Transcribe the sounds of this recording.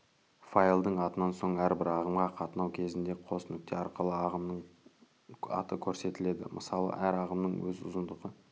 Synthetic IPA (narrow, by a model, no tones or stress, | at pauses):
fajlˠd̪əɴɑt̪ənɑnso̞ɴæɾbɪɾɑʁəmʁɑqʰɑt̪ənɑwkʲʰe̞zɪnd̪e̞qʰo̞sənɪk̚t̪ʰe̞ɑɾqəlˠəɑʁəmnəɴ | ɑ̰t̪əkʲʰɵɾse̞t̪ɪle̞d̪ɪ̰mʔə̰sɑlˠə̰ʔæɾɑʁəmnəɴwɵ̰zʊ̰zənd̪əʁə